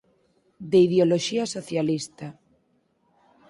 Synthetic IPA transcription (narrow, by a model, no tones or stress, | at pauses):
d̪eiðeoloʃiasoθjalist̪a